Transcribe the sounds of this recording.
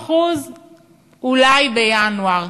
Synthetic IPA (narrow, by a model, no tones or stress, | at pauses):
χuz | ulajbejanuaʁ